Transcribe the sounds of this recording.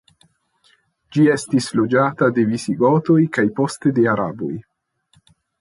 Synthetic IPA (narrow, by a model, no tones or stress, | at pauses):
d͡ʒie̞stislo̞d͡ʒatade̞visiɡotojkajpo̞ste̞de̞aɾa̰bo̰j